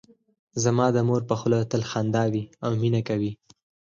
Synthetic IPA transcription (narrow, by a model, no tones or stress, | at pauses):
zamɑd̪əmoɾpəxlot̪əlxɑnd̪ɑwiawminakawi